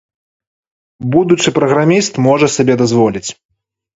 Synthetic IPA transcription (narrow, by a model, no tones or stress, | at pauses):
bud̪ut͡ʂɨpɾɐɣɾamʲist̪mɔʐɐsabʲɛd̪azvɔlʲit͡sʲ